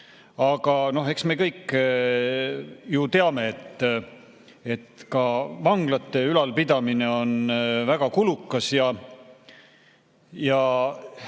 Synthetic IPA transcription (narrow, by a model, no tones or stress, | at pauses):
ɑɡ̥ɑno̞ɦe̞ksme̞kɤjkː | jut̪e̞ɑme̞et̪ˑː | e̞t̪ːkɑvɑŋɡ̥lɑt̪ːe̞ylɑlpid̪̥ɑmine̞o̞nvæɡ̥ɑkulukːˑɑsjɑ | jɑ